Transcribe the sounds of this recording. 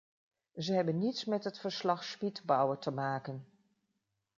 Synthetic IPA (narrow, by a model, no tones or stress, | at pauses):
zəɦɛbənːitsmɛtɦətfəɹslɑχspitbɔwəɹtəmaːkən